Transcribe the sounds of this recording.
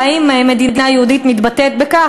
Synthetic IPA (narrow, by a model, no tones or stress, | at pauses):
imemed̪id̪inajehud̪it̪mit̪bat̪et̪̚beka